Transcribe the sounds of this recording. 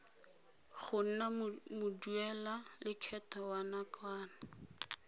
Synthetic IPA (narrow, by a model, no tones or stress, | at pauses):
χʊn̩namʊduɛlalɪt͡ʃʰɛtawanakwaːna